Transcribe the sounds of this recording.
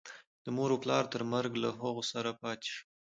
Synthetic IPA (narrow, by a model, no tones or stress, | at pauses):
d̪̥əmoɾoplɑɾt̪əɾməɾɡlaɦəɣosaɾapɑt̪e̥ʃi̥